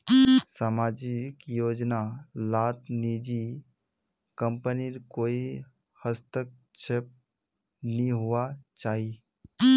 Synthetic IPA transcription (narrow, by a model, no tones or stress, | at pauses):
saːmaːd͡ʒikjoːd͡ʒnalaːt̪nid͡ʒi | kə̃mpəniɾkoːi | həst̪ək̚ | t͡ʃʰep̚ | nĩɦʊʋat͡ʃaːɦi